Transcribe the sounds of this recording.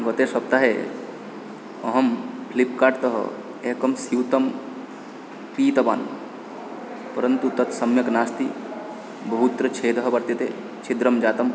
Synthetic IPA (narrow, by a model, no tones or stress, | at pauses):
ɡɐt̪esɐp̚t̪aɦe | ɐɦɐmpʰlipkaːʈt̪ɐɦ | eːkɐmsiwt̪ɐm | piːt̪ɐba̰ːn | pɐɾɐnt̪ut̪ɐt̪sɐmjɐknaːst̪i | bɐɦut̪ɾɐt͡ʃʰeːd̪ɐɦbɐɾt̪jɐt̪ḛ | t͡ʃʰid̪ɾɐmd͡ʒaːt̪ɐm